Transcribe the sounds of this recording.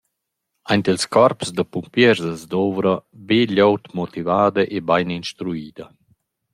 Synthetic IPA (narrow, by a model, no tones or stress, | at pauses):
ajnt̪ilskɔɾpsd̪əpumpjɛɾzəzd̪ɔvɾabeʎowt̪mɔt̪ivaːd̪əʔebajninʃt̪ɾuiːd̪ə